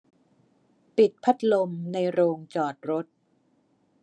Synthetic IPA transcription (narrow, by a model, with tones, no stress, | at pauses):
pi˨˩t̪̚pʰa˦˥t̪̚lo˧mna˧jɾoː˧ŋt͡ɕɔː˨˩t̪̚ɾo˦˥t̪̚